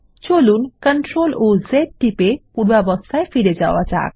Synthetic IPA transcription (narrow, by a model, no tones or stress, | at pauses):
t͡ʃolunkəɳʈɾolozeʈ̚ʈipepuɽbabɔst̪ʰajfiɾed͡ʒa̰wat͡ʃa̰k